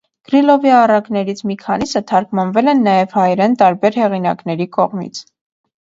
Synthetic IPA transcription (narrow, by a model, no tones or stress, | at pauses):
ɡ̥ɾilɔvjɑːrɑknɛɾit͡sʰmikʰɑnisət̪ʰɑɾkmɑnvɛlɛnːɑjɛv̥hɑjɾɛnt̪ɑɾbɛɾhɛʁinɑ̰knɛɾikɔʁmḭt͡sʰ